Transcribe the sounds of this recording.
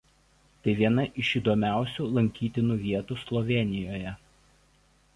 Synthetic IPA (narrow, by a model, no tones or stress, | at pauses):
t̪ɐɪʋʲiɛnɐʔɪʃiːd̪ɔːmʲæˑʊsʲuːlˠɐŋʲkʲiːt̪ʲɪnuːʋʲiɛt̪uːslˠɔʋʲɛnʲɪjoːjɛ